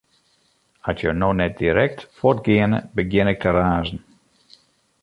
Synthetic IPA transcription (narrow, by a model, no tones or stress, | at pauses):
asjənoːnɛt̚d̥iɾɛk̚tfɔtɡɪənə̰bəɡjɪnɪk̚tʰəraːzn̩